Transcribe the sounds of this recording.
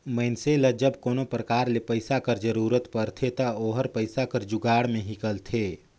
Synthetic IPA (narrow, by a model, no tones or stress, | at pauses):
məɪnseləd͡ʒəbkoːnopɾəkaːɾlepəɪsakəɾd͡ʒəɾuːɾət̪pəɾt̪ʰet̪ɐoːɦəɾpəɪsakəɾd͡ʒʊɡaːɽmẽɦɪkəlt̪ʰeː